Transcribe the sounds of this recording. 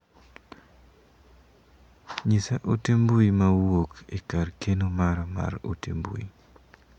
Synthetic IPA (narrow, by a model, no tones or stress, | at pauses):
ɲisaʔutimbuimawokḭkarkenumaɾɔma̰ɾṵtḭmbṵḭ